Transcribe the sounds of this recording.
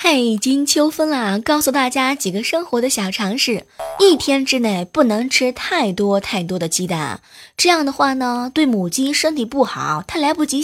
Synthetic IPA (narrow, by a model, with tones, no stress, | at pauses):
xa˥˩ɪi˨˩t͡ɕi˥ŋt͡ɕʰjo˥ʊfə˥nlə˨kɑ˥˩ʊsu˨˩t̪a˥˩t͡ɕja˥t͡ɕi˨˩ɡə˧˦ʂɤ˥ŋxwɔ˧˥d̪ə˧ɕjɑ˨˩ʊʈ͡ʂʰɑ˧˥ŋʂɻ̩˥˩i˥˩t̪ʰjɛ˥nʈ͡ʂɻ̩˥ne˥˩ɪpu˥˩nɤ˧˥ŋʈ͡ʂʰɻ̩˥t̪ʰa˥˩ɪt̪wɔ˥t̪ʰa˥˩ɪt̪wɔ˥d̪ə˨t͡ɕi˥t̪a̰˥˩nʈ͡ʂɤ˥˧jɑ˥˩ŋd̪ə˩xwa˥˩nə˩t̪we˥˩ɪmu˨˩t͡ɕi˥ʂə˥nt̪ʰi˨˩pu˥˩xɑ˨˩˦ʊt̪ʰa˥la˧˥ɪpu˥˩t͡ɕi˧˥